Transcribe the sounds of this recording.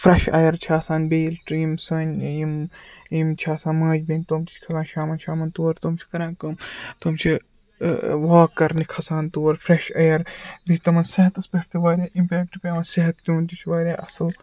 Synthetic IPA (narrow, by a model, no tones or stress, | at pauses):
fɾɐʃɐ̰jɐɾt͡ʃʰaːsaːnʲbeːlʈɾiimsɐːnʲjimjimt͡ʃʰaːsãːnmɐːd͡ʒbinʲt̪oːmt͡ʃ̪i̥t͡ʃʰkʰɐzaːnʃaːmɐnʃʰaːmɐnt̪oːɾt̪oːmt͡ʃʰi̥kɐɾãːnkɐmt̪oːmt͡ʃʰi | ʋaːkːɐɾnikʰɐsaːnt̪oːɾfɾeʃɐjɐɾbit̪ɐmɐnseɦɐt̪ɐspʲɐʈt̪iʋaːɾʲaːʔimpʲeːkʈpʲːmɐnseɦɐt̪̚k̪ʲuːnt̪it͡ʃʰʋaːɾʲaːʔɐsɐl